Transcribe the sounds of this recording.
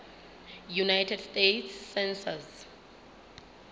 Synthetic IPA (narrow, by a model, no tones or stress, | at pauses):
junajtʰɛdstetʰsːɛnsaz